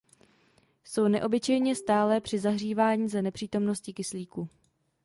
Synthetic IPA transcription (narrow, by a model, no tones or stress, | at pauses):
so̞wnɛʔo̞bɪt͡ʃɛjɲɛst̪aːlɛːpr̝̥ɪzaɦr̝iːvaːɲiːzanɛpr̥iːt̪o̞mno̞scɪkɪsliːku